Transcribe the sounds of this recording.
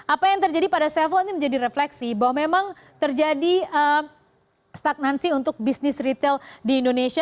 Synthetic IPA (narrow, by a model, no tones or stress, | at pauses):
apajaŋt̪ərd͡ʒadipadasɛlfoiniməɲd͡ʒadiɾeflɛksibawamemaŋ | t̪ərd͡ʒadiə | st̪ak̚nansiunt̪ʊk̚bisnɪsrit̪eldiːndonesia